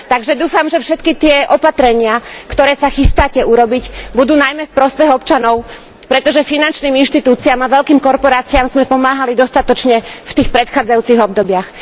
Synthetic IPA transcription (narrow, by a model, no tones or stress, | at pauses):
t̪aɡʒɛd̪uːfamʒɛfʃɛt̪kit̪ɪɛʔɔpat̪ɾɛɲɪakt̪ɔɾɛːsaxist̪aːcɛuɾɔbicbud̪uːnajmɛfpɾɔspɛɣɔpt͡ʃanɔʊ | pɾɛt̪ɔʒɛfinant͡ʃniːminʃt̪it̪uːt͡siamaʋɛʎkiːmkɔɾpɔɾaːt͡siamzmɛpɔmaːɦalid̪ɔst̪at̪ɔt͡ʃɲɛft̪iːxpɾɛt̪xaːd͡zajuːt͡siɣɔb̚d̪ɔbɪax